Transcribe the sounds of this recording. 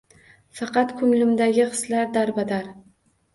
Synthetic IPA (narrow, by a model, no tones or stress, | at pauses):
fɑqɑt̪kʰʊŋlɪmd̪aɡʲɪχɨ̥slaɾd̪aɾbad̪aɾ